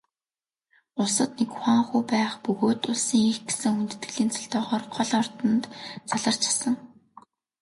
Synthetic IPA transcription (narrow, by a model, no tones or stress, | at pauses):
ʊɮsə̆t̪nekχʷwaːɴχuːpæːχpɵɣoːt̪ʊɮsiːŋexɡe̥sɘ̆ŋxunt̪ɘ̥̆t̪ɡɘ̆ɮiːnt͡sʰḁɮt̪ɔːʁɔːrχʰɔɮɔrt̪ɞ̆nt̪t͡sʰaɮə̆r̥t͡ɕʰḁsə̆ŋ